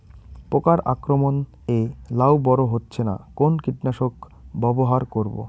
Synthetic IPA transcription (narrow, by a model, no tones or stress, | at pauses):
pɾokaɾa̰kɾomon | elawbɔɾoɦotːɕʰena̰konkiʈnaʃok | bɔboɦaɾkoɾbo̰